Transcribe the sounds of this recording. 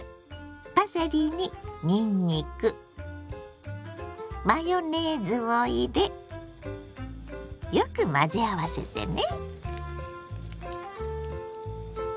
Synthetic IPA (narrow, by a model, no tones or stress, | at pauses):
b̥aseɾʲiɲimʲiɲːikɯ̟ | majoned͡zɨβoid̪e̞ | jokɯ̟mad͡ʑiaβase̞̰t̪ḛne